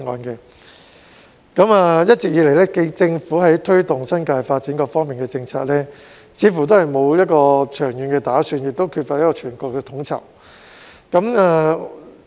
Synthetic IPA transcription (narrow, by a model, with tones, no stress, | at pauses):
ŋɔ̰ː˧nkɛː˧ | kɐ˨˥maː˨˧jɐ˥t̚t͡siː˨k̚jiː˨˧le˨˩jlɛː˥ke˧jt͡sɪ˧ŋfuː˨˥ɦɐ˨˥jt̪ʰɵ˥ɥt̪ʊ˨ŋsɐ˥nkaː˧jfaː˧t̚t͡siː˨˥nkɔː˧fɔː˥ŋmiː˨˩nkɛː˧t͡sɪ˧ŋt͡sʰaː˧t̚lɛː˥ | t͡sʰiː˨˧˥fu˨˩t̪̬o˥hɐ˨jmo˨˧wjɐ˥t̚kɔː˧t͡ʃʰœː˨˩ŋjyː˨˧nkɛː˧t̪aː˨˥syː˧njɪ˨k̚t̪o˥wkʰyː˧t̚fa˧t̚jɐ˥kɔː˧t͡ʃʰyː˨˩nkɔː˧k̚ːɛː˧t̪ʰʊ˨˥ŋt͡sʰɐ̰˨˩w | kɐ˨˥maː˨˧